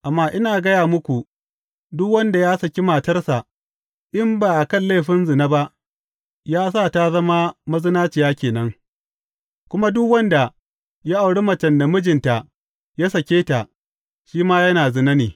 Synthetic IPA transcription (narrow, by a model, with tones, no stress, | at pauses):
ʔa˨mːaː˦ʔɪ˦naː˨ɡɐ˦jaː˨mʊ˦kʷu˨ | dʊ˦kwɐ˦nda˨jaː˦sɐ˨kʲi˦maː˨tɐ˦rsa˨ | ʔɪ˦mbaː˨ʔa˨kɐ˦˨nle˦˨ɸɪ˦nzɪ˨na˦ba˦ʔ | jaː˦s̬aː˦˨ta˦zɐ˦ma˦mɐ˦zɪ˦naː˦t͡ʃɪ˨jaː˦kʲeː˨nɐ˦ŋ | kʷʊ˦ma˦dʊ˦kwɐ˦nda˨ | ja˦ʔa˨wɽe˦mɐ˨t͡ʃɐ˨nda˨mʊ˦d͡ʒɪ˨nta˨ | ja˦sɐ˨kʲeː˦ta˨ | ʃiː˦maː˦jɐ˦naː˨zɪ˨nɐ˦niː˨